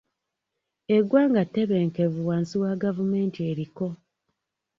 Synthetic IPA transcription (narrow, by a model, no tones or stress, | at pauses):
eɡwaːŋɡate̞βeːŋkevuwaːnsiwaɡavume̞ːntieɾiko̞